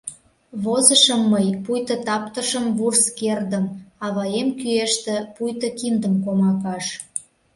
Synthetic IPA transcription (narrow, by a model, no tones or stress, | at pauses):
βozəʃəmːəjpujt̪ə̆t̪ɑpt̪əʃəmvurskerd̪əmɑβɑjemkyeʃt̪ĕpujt̪əkimd̪əmkomɑkɑʃ